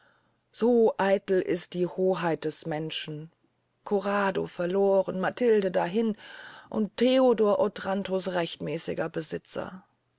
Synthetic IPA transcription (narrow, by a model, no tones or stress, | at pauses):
z̥oːʔaɪtl̩ʔɪ̰st̚d̥iːhoːɦaɪt̚d̥ɛsmɛnʃn̩ | kʰoʁaːdo̰fɛɐloːʁənmatʰɪldədaɦɪnʔʊ̰ntʰːeodɔːɐʔotʁ̥antʰosʁɛçtmɛːsɪ̰ɡɐbəzɪt͡sɐ̰